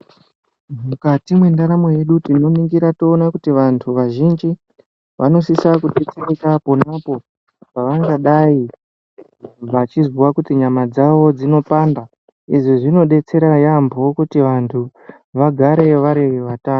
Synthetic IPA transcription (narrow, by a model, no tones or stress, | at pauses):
mukatimwendaɾamo̞je̞ɗutino̞niŋɡiɾato̞ːnakutiʋantʰuʋaʒind͡ʒi | ʋʔano̞sisakuɗe̞t͡seɾekapo̞napo̞ | paʋaŋɡaɗai | ʋat͡ʃiziwakutiɲamad͡zaʋo̞d͡zino̞panda | iʐiʐino̞ɗe̞t͡se̞ɾajambʱo̞kutiʋantʰu | ʋaɡʱaɾe̞ʋaɾewiʋataːn